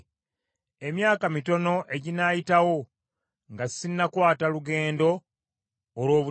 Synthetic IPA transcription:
e̞mjaːkamito̞no̞ʔe̞ɟinaːjitawo̞ | ŋɡassinːakwaːtaluɡe̞ːndo̞ː | lwo̞ːβu

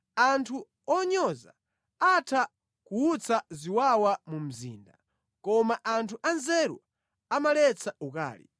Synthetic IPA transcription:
antʰu | ɔɲɔza̰ | atʰa | kuːt͡sʰaziwawamum̩zḭːnda | kɔmaʔantʰuʔanzɛɾwa | amalɛt͡sʰauka̰ːlḭ

